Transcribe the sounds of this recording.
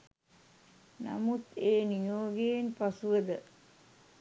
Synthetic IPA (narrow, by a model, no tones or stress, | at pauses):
nɐ̰mut̪eːnijoːɡejnpasuʋəd̪ə